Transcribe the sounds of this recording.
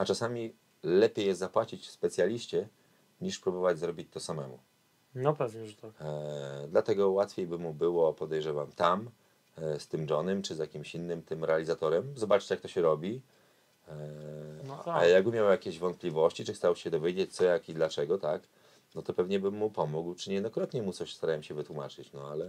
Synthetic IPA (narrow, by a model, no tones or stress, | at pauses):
at͡ʂasamʲi | lɛpʲjejɛst̪apwat͡ɕit͡ɕfspɛt̪sʲjalʲiɕt͡ɕɛ | ɲiʂpɾubɔvad͡ʑzɾɔbʲit͡ɕt̪ɔsamɛmṵ | nɔpɛvɲɛʐt̪a | d̪lat̪ɛɡɔwat̪fʲejbɘmubɘwɔpɔd̪ɛjʐɛvamt̪am | st̪ɘmd͡ʒɔnɛmt͡ʂɘzjakʲimɕinːɘmt̪ɘmɾɛalʲizat̪ɔɾɛmzɔbat͡ʂɨ̥t͡ɕjakt̪ɔɕɛɾɔbʲi | ajaɡ̚bɘmʲjawjakʲeʑvɔnt̪̚plʲivɔɕt͡ɕit͡ʂɘxst̪awɕɛd̪ɔvʲjed͡ʑet͡ɕt̪sɔjakid̪lat͡ʂɛɡɔt̪ak | nɔt̪ɔpɛvɲɛbɘmːupɔmuɡwt͡ʂɘɲɛjd̪nɔkɾɔt̪ɲɛmut̪sɔɕst̪aɾawɛmɕɛvɘt̪wumat͡ʂɘt͡ɕnɔalɛ